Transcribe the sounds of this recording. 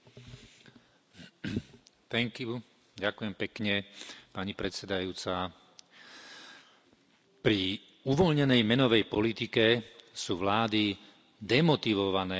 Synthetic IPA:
t̪ɛŋki | ɟakujɛmpɛkɲɛpaɲipɾɛt̪sɛd̪ajuːt͡sa | pɾi | uʋɔlɲɛnɛjmɛnɔʋɛjpɔlit̪ikɛsuːʋlaːd̪i | d̪ɛmɔt̪iʋɔʋanɛː

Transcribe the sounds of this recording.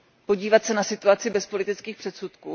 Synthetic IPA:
po̞ɟiːvat̪sɛnasɪt̪uat͡sɪbɛspo̞lɪt̪ɪt͡skiːxpr̥ɛt̪sut̪kuː

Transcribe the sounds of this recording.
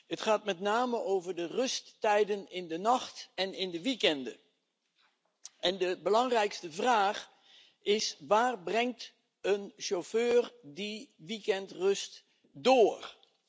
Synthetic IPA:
ɦətχaːt̚mɛtnaːməʔowvəɹdərɵstːɛjdənɪndənɑχtɛnɪndəʋikɛndə̰ | ɛndəbəlɑŋrɛjkstəvraːχ | ɪsʋaːrbrɛŋt | ənʃoføːrdiʋikɛntrɵst | doːrɹ

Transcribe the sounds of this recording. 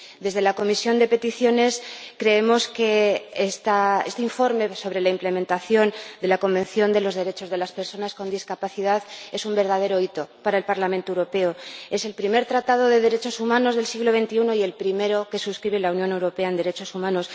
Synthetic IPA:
d̪e̞zðe̞lako̞misjo̞nd̪e̞pe̞t̪iθjo̞ne̞skɾe̞emo̞ske̞est̪aest̪eiɱfo̞ɾme̞so̞βɾe̞laimple̞mẽnt̪aθjo̞nd̪e̞lako̞mbe̞nθjo̞nd̪e̞lo̞zðe̞ɾe̞t͡ʃo̞zð̞e̞laspe̞ɾso̞nasko̞nd̪iskapaθið̞aðe̞sumbe̞ɾð̞að̞e̞ɾo̞it̪o̞paɾae̞lpaɾlam̃nt̪oewɾo̞pe̞oe̞se̞lpɾime̞ɾt̪ɾat̪aðo̞ð̞e̞ð̞e̞ɾe̞t͡ʃo̞sumãno̞zðe̞lsiɣlo̞βe̞nt̪iuno̞ie̞lpɾime̞ɾo̞ke̞suskɾiβelaunjo̞ne̞wɾo̞pe̞aend̪e̞ɾe̞t͡ʃo̞sumãno̞s

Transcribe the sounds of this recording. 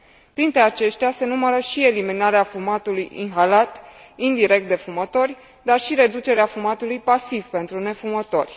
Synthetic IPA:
pɾint̪ɾe̞at͡ʃe̞ʃt̪ease̞numəɾəʃie̞liminaɾeafumat̪ulujḭnɦalat̪ | ind̪iɾe̞k̚t̪d̪e̞fumət̪o̞rʲ | d̪arʃiɾe̞d̪ut͡ʃe̞ɾeafumat̪ulujpasivpe̞nt̪ɾune̞fumət̪o̞rʲ

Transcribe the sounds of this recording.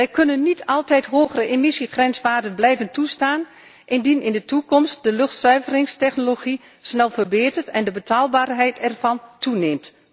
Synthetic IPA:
ʋɛjkɵnənːitʰɑlˠtɛjtɦoːxərəʔemɪsixrɛnsʋaːdənblɛjvəntustaːn | ʔɪndinɪndətukɔmst̚dəløxtsœɥvərɪŋstɛxnoloxi | snɛlˠvərbeːtərtɛndəbətʰaːlˠbaːrɦɛjtʰɛrv̥ɑntuneːmt

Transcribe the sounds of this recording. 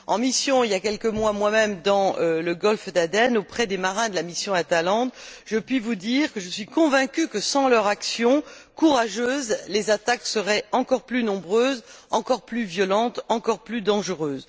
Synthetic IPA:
ɑ̰̃misjɔ̃iljakʲɛlkəmwamwamɛmd̪ɑ̃øləɡɔlfd̪ad̪ɛnopχɛd̪emaʁɛ̃d̪əlamisjɔ̃at̪alɑ̃d̪ʒəpɥivud̪iʁkəʒəsɥikɔ̃vɛ̃kʲykəsɑ̃lœʁaksjɔ̃kuʁaʒøːzlezat̪aksəʁɛɑ̃kɔʁplynɔ̃bʁøːzɑ̃kɔʁplyvjɔlɑ̃t̪ɑ̃kɔʁplyd̪ɑ̃ʒəʁøːz

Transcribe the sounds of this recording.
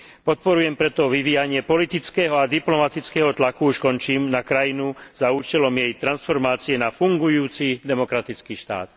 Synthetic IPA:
pɔt̪̚pɔɾujɛmpɾɛt̪ɔʋiʋiːjaɲɪɛpɔlit̪it͡skɛːɦɔad̪iplɔmat̪it͡skɛːɦɔt̪lakuuʃkɔnt͡ʃiːmnakɾajinuzauːt͡ʃɛlɔmjɛjt̪ɾansfɔɾmaːt͡siɛnafuŋɡujuːt͡sid̪ɛmɔkɾat̪it͡skiːʃt̪a̰ːt̪

